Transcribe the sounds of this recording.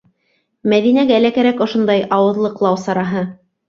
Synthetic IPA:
mæðinæɡæːlækæɾækŏʃŏnd̪ɑjɑwɤ̆ðlˠɤqlˠɑwsɑɾɑɦɤ

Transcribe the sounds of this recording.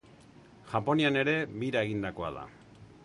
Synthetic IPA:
ʝapo̞niane̞ɾe̞βiɾae̞ɣind̪ako̞a̰ða̰

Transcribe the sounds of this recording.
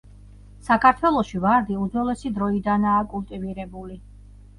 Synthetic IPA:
sakʰaɾt̪ʰwɛlˠɔʃivaɾd̪iud̪zɔlɛsid̪ɾɔid̪anaːkʼulˠt̪ʼiviɾɛbuli

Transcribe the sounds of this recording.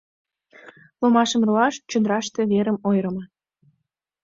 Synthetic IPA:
lomɑʃəmroɑʃt͡ɕod̪ɾɑʃt̪e̽βeɾəmojɾəmɤ

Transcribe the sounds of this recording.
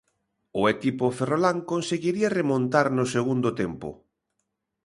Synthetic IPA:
ʊekipoferolaŋkonseɣiɾiaremõnt̪aɾnʊseɣ̞und̪ot̪empʊ̰

